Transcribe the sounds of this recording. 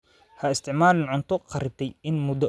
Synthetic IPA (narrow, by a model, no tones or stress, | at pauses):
hɐɪst̪ʰɪʕmaːlɪnʕʊnt̪ʰɔqʰɑɾɪt̪ʰɛjɪnmʊd̪ɔ